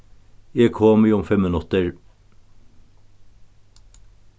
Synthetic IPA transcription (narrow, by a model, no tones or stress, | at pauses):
jeːkʰɔːmiːʊmfɛmmənʉt̪əɹ